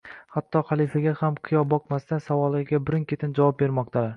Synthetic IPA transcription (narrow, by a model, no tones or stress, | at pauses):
hat̪ːɒχalˠifaɡʲahamqʰɨjɒbɒqmast̪ansavɒlˠɪɡʲabɪɾɪŋkʲe̞t̪ʰɪnd͡ʒavɒp̚be̞ɾmɒq̚t̪ʰalaɾ